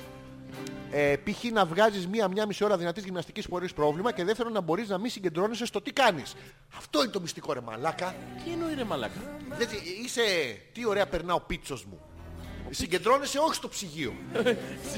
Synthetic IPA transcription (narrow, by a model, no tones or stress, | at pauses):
epiçinɐvɣɐzizmiɐmɲɐmisio̞ɾɐðinɐt̪izʝimnɐst̪icispo̞ɾispɾo̞vlimɐce̞ðe̞ft̪eɾo̞nːɐbo̞ɾiznɐmisiɲɟe̞nd̪ɾo̞nese̞st̪o̞t̪ikɐnis | ɐft̪o̞inet̪o̞mist̪iko̞ɾe̞mɐ̰lɐkɐcinoiɾemɐlɐ̰kɐðet͡siise̞t̪io̞ɾe̞ɐpe̞ɾnɐo̞pit̪t͡so̞zmṵ | siɲɟe̞nd̪ɾo̞nese̞o̞çi̥st̪o̞psiʝio̞̰